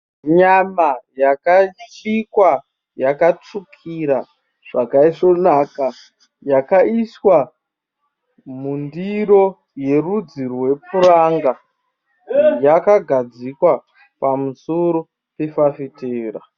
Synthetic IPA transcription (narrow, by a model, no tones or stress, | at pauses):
ɲamajakat͡ʃikwa | jakat͡ʂukʰiɾa | ʐ̥akaiʐo̞naka | jakaiswa | mundiɾo̞ | je̞rud͡zirwe̞puraŋɡa | jakaɡʱad͡zikwa | pamusoɾo | pefafiteːɾa